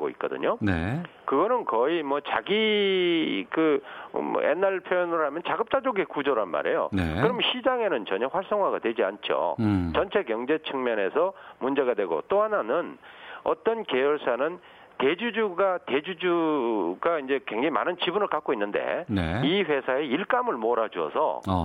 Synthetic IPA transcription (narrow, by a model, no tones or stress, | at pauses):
ɡo̰ḭt̚k͈ʌ̰dɯ̰ɲone | kɯɡʌnɯnkʌimwʌt͡ɕaɡi | kɯ̰ | ḛnaɭpʰjojʌnɯɾɯɭhamjʌnt͡ɕaɡɯp̚t͈ad͡ʑoɡekud͡ʑʌɾanma̰ɾe̞jo̰nekɯɾʌmɕʰid͡ʑaŋe̞nɯnt͡ɕʌɲʌɸwaɭs͈ʌŋɦwaɡadwe̞d͡ʑia̰nt͡ɕʰo̰t͡ɕʌnt͡ɕʰe̞kjʌŋd͡ʑe̞t͡ɕʰɯŋmjʌne̞sʰʌmund͡ʑe̞ɡadwe̞ɡo̰t͈oɦananɯn | ʌ̰t͈ʌnke̞jʌɭs͈anɯn | te̞d͡ʑud͡ʑuɡate̞d͡ʑud͡ʑuɡaind͡ʑe̞kwe̞ŋd͡ʑaŋima̰nɯnt͡ɕibunɯɭkak͈oinːɯnde̞̰niɸwe̞sʰae̞iɭk͈amɯɭmoɾad͡ʑuʌ̰sʰʌ̰